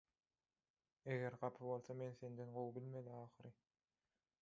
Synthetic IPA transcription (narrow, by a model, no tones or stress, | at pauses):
eɣeɾɢɑpʰɯβo̞lˠθɑme̞nθe̞nd̪enɢowbilmeliɑːxɯɾɯ